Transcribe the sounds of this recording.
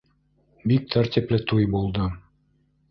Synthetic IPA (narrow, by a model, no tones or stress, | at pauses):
bik̚t̪ʰæɾt̪ʲiplɘt̪ujbulˠd̪ɤ